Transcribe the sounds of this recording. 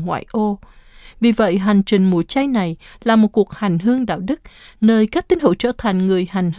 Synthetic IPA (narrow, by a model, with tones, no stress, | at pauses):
ŋwa̰ː˧˨jʔo˧vi˨˩və̰˧˨jɦa˨˩jŋ̟t͡ɕï˨˩ŋ̟mu˧˩˦t͡ɕa˧jna˨˩jlaː˨˩mo˨˩t̚ku˨˩ək̚ha˨˩jŋ̟ɦɨ˧əŋɗa̰ː˧˨wɗɨ˦˥k̚nəː˧jkaː˦˥k̚t̪i˧nhṵ˧˥˦wt͡ɕə̰˧˥t̪ʰa˨˩jŋ̟ŋɨ˨˩əjha˨˩jŋ̟h